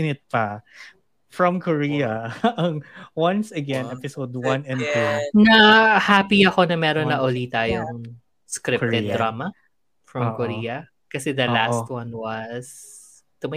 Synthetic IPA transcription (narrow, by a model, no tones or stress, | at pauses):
ɪnɪt̪̚pɐ | fɹɐ̃mkʰoɹiɐɐŋwɐ̃nsɐɡɛ̃nɛpɪsod̪wɐ̃nɛ̃nnɐhaːpiɐko̞nɐmɛːɾonːɐʔolit̪aːjoŋ | skɾɪɛd̪ɾaːmɐ | fɹɐmkoɾiːɐ | kɐsɛd̪ɐlast̪̚wɐnwɐs | t̪um